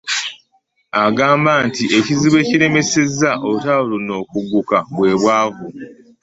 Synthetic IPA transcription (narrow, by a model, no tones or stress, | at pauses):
aɡaːmbaːntiʔe̞ciziβwe̞ːciɾe̞me̞se̞zːaʔo̞βutawulono̞ːkuɡːukaβwe̞ːβwaːvu